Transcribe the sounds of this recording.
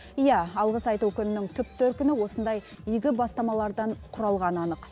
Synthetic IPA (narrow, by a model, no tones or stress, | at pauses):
ijɑɑlˠʁəsɑjt̪ukʲʏnɪnɪŋt̪ʰʏp̚t̪ʰɵɾ̚kʲɪnɪwo̞sənd̪ɑj | ijɡʲɪbɑst̪ɑmɑlˠɑɾd̪ɑɴqʰʊɾɑlˠʁɑnɑnəq